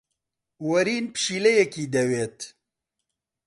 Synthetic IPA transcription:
wɐɾiːnpɨ̥ʃiːlɛjɛkiːd̪ɛweːt̪

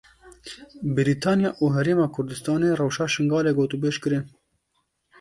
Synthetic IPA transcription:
bɪɾiːt̪ʰɑːnjɑːʔuːɦɛɾeːmɑːkʰʊɾd̪ɨst̪ɑːneːrɐwʃɑːʃɪŋɡɑːleːɡoːt̪ubeːʃkɨɾɪn

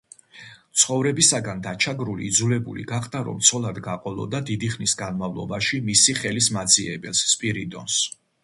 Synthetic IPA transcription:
t̪sʰχɔvɾɛbisaɡand̪at͡ʃʰaɡɾulḭːd̪zulɛbṵlḭɡaχd̪aɾɔ̰mt̪sʰɔlˠad̪ɡaqʼɔlˠɔ̰d̪ad̪id̪iχnisɡanmavlˠɔ̰baʃimisiχɛlismad̪ziɛbɛlsːpʼiɾid̪ʼɔ̰ns

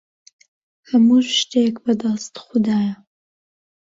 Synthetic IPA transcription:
hɐmuʃt̪ekbɐd̪ɑst̪xʊd̪aːjɐ

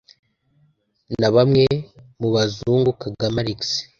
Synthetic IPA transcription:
naβamŋe̞muβazuːŋɡukaɡamaɾiks

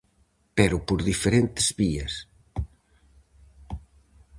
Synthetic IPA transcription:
pɛɾupoɾðifeɾent̪ezβiɐs

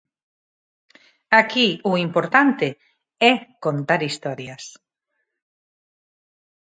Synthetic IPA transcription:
akiʊimpoɾt̪ant̪e | ɛkont̪aɾist̪ɔɾjas

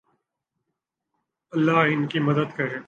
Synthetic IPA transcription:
ɐlːaɦɪnkimɐd̪əd̪kɐɾẽː

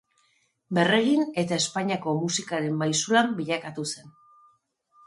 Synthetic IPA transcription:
be̞re̞ɣine̞t̪ae̞spaɲiako̞musikaɾe̞mbajsulambiʎakat̪use̞n

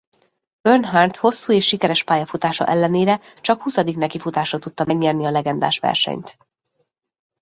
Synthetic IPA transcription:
b̥ørnɦant̪ho̞sːuːeːʃːikɛɾɛʃpaːjɒfut̪aːʃɒ̰ʔɛlːɛneːɾɛt͡ʃɒkhusɒd̪iknɛkifut̪aːʃot̪ut̪ːɒmɛɡɲɛrniɒlɛɡɛnd̪a̰ːʃʋɛ̰rʃɛ̰ɲt̪

